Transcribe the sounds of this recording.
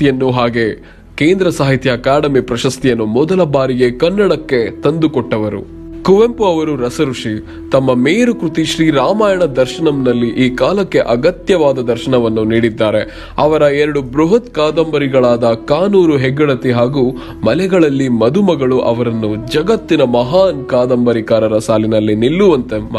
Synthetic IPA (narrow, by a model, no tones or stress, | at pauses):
jɐnːuɦaːɡe̞ | keːnd̪ɾɐsaːɦit̪jɐkaːɽɐmipɾɐʃɐst̪ijɐnːumɔd̪ɐlɐbaːɾiɡe̞kɐnːɐɽɐkːe̞t̪ɐnd̪ukɔʈːɐʋɐɾṵ | kuʋempuɐʋɐɾuɾɐsɐɾuʂi | t̪ɐmːɐmeːɾukɾut̪iʃɾiːɾaːmaːjɐɳɐd̪ɐɾʃɐɳɐmnɐlːiʔiːkaːlɐkːe̞ʔɐɡɐt̪jɐʋaːd̪ɐd̪ɐɾʃɐɳɐʋɐnːuniːɽid̪ːaːɾe̞ | ɐʋɐɾɐɛɾɐɽubɾuɦɐt̪kaːd̪ɐmbɐɾiɡɐɭaːd̪ɐkaːnuːɾuɦɛɡːɐɭɐt̪iɦaːɡuː | mɐlɛɡɐɭɐlːimɐd̪umɐɡɐɭuʔɐ̰ʋɐɾɐnːud͡ʒɐɡɐt̪ːinɐmɐɦaːnkaːd̪ɐmbɐɾikaːɾɐɾɐsaːlinɐlːinilːuʋɐnt̪e